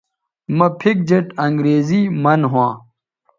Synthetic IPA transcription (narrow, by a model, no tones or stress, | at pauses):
mɐpʰik̚d͡ʑeʈɐŋɡɾeːzimɐnɦwãː